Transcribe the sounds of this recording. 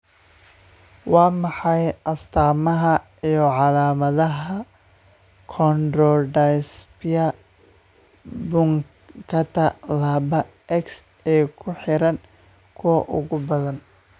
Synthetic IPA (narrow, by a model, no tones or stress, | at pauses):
wɑːmɑħɑjʔɐst̪ʰaːmɐɦɐ | ijɔʕɑlaːmɐðɐɦɐ | kʰɔndɾɔɖajsbɪjɐ | bʊŋ | kʰɐt̪ʰɐlaːbɐ | ɛks | ɛːkʰʊħɪɾɐn | kʰʊwɐ̰ʔʊ̰ɣʊbɐðɐn